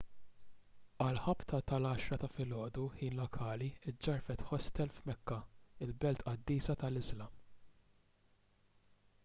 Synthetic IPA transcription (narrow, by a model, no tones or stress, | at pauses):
ɐlħɐpt̪ʰɐt̪ɐlɐːʃɾɐt̪ɐfɪlɔːd̪uħiːnlɔkʰɐːliɪd͡ʒːɐɾfɛt̪ħɔst̪ɛlfmɛkːɐɪlbɛlt̪ʔɐd̪ːiːsɐt̪ɐlɪzlɐm